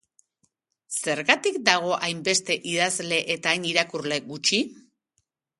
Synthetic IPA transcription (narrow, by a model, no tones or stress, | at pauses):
se̞ɾɣat̪ikd̪aɣ̞o̞ʔajmbe̞st̪e̞ʔið̞azle̞ʔet̪aːniɾakurle̞ɣut͡ʃi